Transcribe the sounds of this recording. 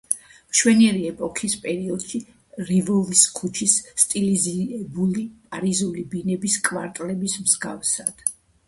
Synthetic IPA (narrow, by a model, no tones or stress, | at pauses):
mʃwɛniɛɾiɛpʼɔkʰispʼɛɾiɔd̪̥ʃi | ɾivɔviskʰut͡ʃʰisːt̪ʼiliziɛbulipʼaɾizulibinɛbiskʼvaɾt̪ʼlɛbismzɡafsad̪̥